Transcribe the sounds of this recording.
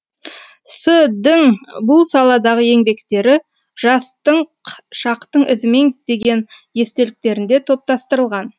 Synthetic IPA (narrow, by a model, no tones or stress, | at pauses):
səd̪ɪŋbʊlˠsɑlˠɑd̪ɑʁəje̞ŋbe̞kt̪e̞ɾɪ | ʒɑst̪əɴʃɑqt̪əɴɪzme̞ŋd̪e̞ɡʲe̞nje̞st̪e̞lɪk̚t̪e̞ɾɪnd̪e̞t̪ʰo̞p̚t̪ɑst̪əɾəlˠʁɑn